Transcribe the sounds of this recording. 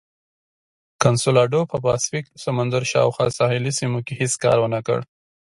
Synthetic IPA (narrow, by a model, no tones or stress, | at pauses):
kansolɑɖopəplɑsfiksamanzəɾʃɑ̰wxwɑsɑhɪlisimokehiskɑ̰ɾwənakə̰ɽ